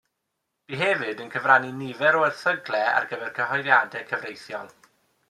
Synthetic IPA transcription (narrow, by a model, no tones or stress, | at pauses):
b̥iɦɛvɨdənkʰəvraninɪvɛɾɔɛrθəɡlˠɛa̰rɡəvɛrkʰəɦɔjðjadɛkʰəvrejθjɔ̰lˠ